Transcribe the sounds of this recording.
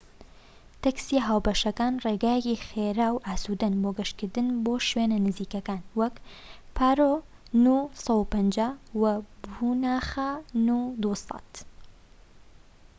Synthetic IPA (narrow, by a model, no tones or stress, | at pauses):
t̪ɐksiɦaːwbɐʃɐkaːnreːɡaːjecixeɾaːwʔaːsud̪ɐnboːɡɐʃkɨɾd̪ɨnboːʃweːnɐnɨziːkɐkaːnwɐk | pʰaːɾo | nusɑwupɐnd͡ʒaːwɐbunaːxanud̪usɑ̰t̪